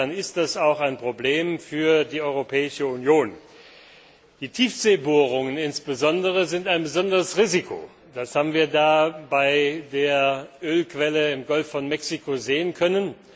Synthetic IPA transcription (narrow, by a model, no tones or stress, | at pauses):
anɪst̚d̥asaʊxaɪnpʁ̥obleːmfyːɐdiːʔɔʏʁopʰɛːɪʃəunjoːn | d̥iːtʰiːfz̥eːboːʁ̞ʊŋənɪnsb̥əzɔndəʁəzɪntaɪnbəzɔndəʁəsʁiːzikʰo̰ː | d̥ashaːbm̩viːɐdaːbaɪdeːɐʔøːlkv̥ɛləɪmɡɔlfɔnmɛksikʰozeːənkʰœnən